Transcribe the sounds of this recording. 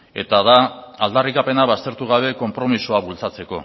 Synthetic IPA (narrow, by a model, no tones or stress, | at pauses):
e̞̰t̪aðaːld̪arikape̞naβast̪e̞ɾt̪uɣaβ̞e̞ko̞mpɾo̞misoaβult͡sat͡se̞ko̞̰